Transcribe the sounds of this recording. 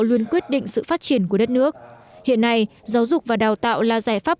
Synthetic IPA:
wli˧ənkwi˦˥ət̚ɗḭ̈˧˨ŋ̟sɨ̰˧˨faː˦˥t̚t͡ɕi˧˩ənku˧˩əɗə˦˥t̚nɨ˦˥ək̚ | hḭ˧˨ənːa˨˧j | zaː˨˦wzʊ˨˩k͡p̚vaː˨˩ɗaː˨˩wt̪a̰ː˧˨wlaː˨˩zaː˧˩jfaː˦˥p̚

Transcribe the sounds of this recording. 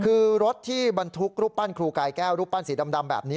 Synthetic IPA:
kʰɯː˧ɾo˦˥t̪ʰːiː˥˩ba˧nt̪ʰu˦˥k̚ɾuː˦˥p̚ːa˥˩nkʰɾuː˧kaː˧jkɛː˥˩wɾuː˦˥˩pːa˦˥˩nsiː˩˦da˧mda˧mbɛ̰ː˨˩p̚niː˦˥

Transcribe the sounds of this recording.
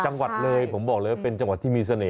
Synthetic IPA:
t͡ɕa˧ŋwa˨˩t̪̚ləː˧jpʰo˨˦mɓɔː˨˩k̚ləː˨˦jpe˧nt͡ɕa˧ŋwa˨˩t̪̚ʰi˧mi˧s̬ə˧ne˨˩˦

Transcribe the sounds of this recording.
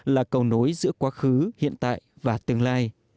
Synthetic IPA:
laː˨˩kə˨˩wno˨˦jzɨ̰˧˥əkwaː˨˦xɨ˨˦hḭ˧˨ənt̪a̰ː˧˨j | vaː˨˩t̪ɨ˨˩əŋlaː˧j

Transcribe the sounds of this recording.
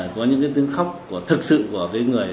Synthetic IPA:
jkɔ˨˦ɲɨ̰˧˥ŋkaː˨˦jt̪ɨ˨˦əŋxa˦˥wk͡p̚ku˧˩ət̪ʰɨ˨˩k̚sɨ̰˧˨ku˧˩əkaː˨˦jŋɨ˨˩əj

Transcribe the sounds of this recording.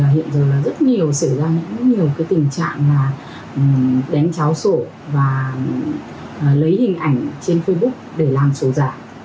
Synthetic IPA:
ɦḭ˧˨ənzəː˨˩laː˨˩zə˦˥t̚ɲi˨˩əwsə˧˩zaː˧ɲɨ̰˧˥ŋ˥ɲi˨˩əwkaː˨˦t̪ï˨˩ŋ̟t͡ɕa̰ː˧˨ŋlaː˨˩˨ | ɗa˨˦ŋt͡ɕaː˨˦wso˧˩ | vaː˨˩˨ | lə˨˦jhï˨˩ŋ̟ʔa˧˩jŋ̟t͡ɕe˧nfə˧jɓʊ˦˥k̚ɗe˧˩laː˨˩mso˨˦zaː˧˩

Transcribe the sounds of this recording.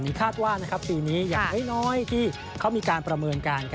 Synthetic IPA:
niː˦˥kʰaː˥˩t̪̚waː˥˩na˦˥kʰa˦˥p̚piː˧niː˦˥ja˨˩ŋha˦˥˩jnɔː˦˥jt̪ʰiː˥˩ | kʰa˦˥wmiː˧kaː˧npɾa˧mɤː˧nkaː˧nkʰ

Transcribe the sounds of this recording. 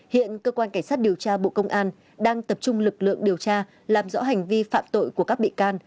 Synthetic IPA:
hḭ˧˨ənkəː˧kwaː˧nka˧˩ŋ̟sa˦˥t̚ɗi˨˩əwt͡ɕaː˧ɓo̰˧˨kə˧wŋ͡mʔaː˧n | ɗaː˧ŋt̪ə˨˩p̚t͡ɕʊ˧ŋ͡mlɨ˨˩k̚lɨ̰˧˨əŋɗi˨˩əwt͡ɕaː˧ | laː˨˩mzɔ̰˧˥ɦa˨˩jŋ̟vi˧fa̰ː˧˨mt̪o̰˧˨jku˧˩əka˦˥k̚ɓḭ˧˨kaː˧n

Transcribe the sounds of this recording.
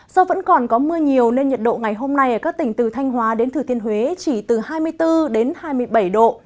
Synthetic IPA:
zɔ˧və̰˧˥nkɔ˨˩nkɔ˨˦mɨ˧əɲi˨˩əwne˧nɲə˨˩t̚ɗo̰˧˨ŋa˨˩jɦo˧mna˧jʔəː˧˩kaː˦˥k̚t̪ï˧˩ŋ̟t̪ɨ˨˩t̪ʰa˧jŋ̟ɦwaː˨˦ɗe˨˦nt̪ʰɨ˨˧˩i˧ənhwe˨˦t͡ɕi˧˩t̪ɨ˨˩haː˧jmɨ˧əjt̪ɨ˧ɗe˨˦nhaː˧jmɨ˧əjɓə˧˩jɗo̰˧˨ʔ

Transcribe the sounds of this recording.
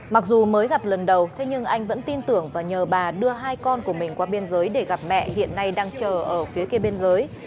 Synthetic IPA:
ma˨˩k̚zu˨˩məː˨˦jɣa˨˩p̚lə˨˩nɗə˨˩wt̪ʰe˨˦ɲɨ˧ŋʔa˧jŋ̟və̰˧˥nt̪i˧nt̪ɨ˧˩əŋvaː˨˩ɲəː˨˩ɓaː˨˩ɗɨ˧əɦaː˧jkɔ˧nku˧˩əmï˨˩ŋ̟kwaː˨˦ɓe˧nzəː˨˦jɗe˧˩ɣa˨˩p̚mɛ̰˧˨ʔhḭ˧˨ənːa˧jɗaː˧ŋt͡ɕəː˨˩ʔəː˧˩fi˨˦əke˧ɓe˧nzəː˨˦j

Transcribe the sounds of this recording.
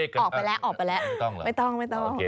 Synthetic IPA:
ɔː˨˩k̚a˧jlɛ˦˥wʔɔː˨˩k̚pa˧jlɛ˦˥ʔɔ˥˩ŋ˦ma˥˩jt̪ɔ˥˩ŋma˥˩jt̪ɔ˥˩˧

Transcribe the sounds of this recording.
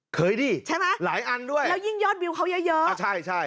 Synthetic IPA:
kəː˨˦jɗi˧t͡ɕʰa˨˦maː˨˦jla̰ː˧˥jʔa˧nɗu˧ə˨jlaː˨˩zi˧ŋzɔ˧˥t̚ɓi˨˩wxa˨˦wzəː˨˧˦zəː˦˧˦saː˧jt͡ɕaː˧˩j

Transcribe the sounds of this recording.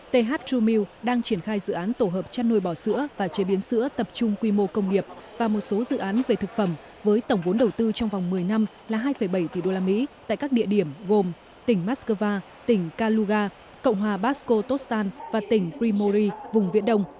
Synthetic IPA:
t̪e˧ɦaː˦˥t̚u˧mi˧wɗaː˧ŋt͡ɕi˧˩ənxaː˧jzɨ̰˧˨ʔaː˨˦nt̪o˧˩ɦəː˨˩p̚t͡ɕa˧nːu˧˩jɓɔ˧˩sɨ̰˧˥əvaː˨˩t͡ɕe˨˦ɓi˨˦ənsɨ̰˧˥ət̪ə˨˩p̚t͡ɕʊ˧ŋ͡mkwi˧mo˧kə˧wŋ͡mni˨˩əp̚vaː˨˩mo˨˩t̚so˨˦zɨ̰˧˨ʔaː˨˦nve˨˩t̪ʰɨ˨˩k̚fə˧˩m | vəː˨˦jt̪ə˧˩wŋ͡mvo˨˦nɗə˨˩wt̪ɨ˧t͡ɕɔ˧wŋ͡mva˨˩wŋ͡mmɨ˨˩əjna˧mlaː˨˩ɦaː˧jfə˧˩jɓə˧˩jt̪i˨˧˩ɗo˧laː˧mḭ˧˥t̪a̰ː˧˨jkaː˦˥k̚ɗḭ˧əɗi˧˩əmɣo˨˩m | t̪ï˧˩ŋ̟maː˦˥skəː˧vaː˧ | t̪ï˧˩ŋ̟kaː˧lu˧ɣaː˧ | kə̰˧˨wŋ͡mɦwaː˨˩ɓaː˦˥sko˧t̪o˦˥st̪aː˧nvaː˨˩t̪ï˧˩ŋ̟pɾi˧mo˧zi˧vʊ˨˩ŋ͡mvḭ˧˥nɗə˧wŋ͡m

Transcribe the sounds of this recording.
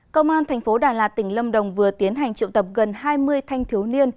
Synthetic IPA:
kə˧wŋ͡mʔaː˧nt̪ʰɛ˨˩jŋ̟fo˨˦ɗaː˨˩laː˨˩t̚t̪ï˧˩ŋ̟lə˧mɗə˨˩wŋ͡mvɨ˨˩ət̪i˨˦ənɦa˨˩jŋ̟t͡ɕḭ˧˨wt̪ə˨˩p̚ɣə˨˩nhaː˧jmɨ˧əjt̪ʰa˧jŋ̟t̪ʰi˨˦əwni˧ən

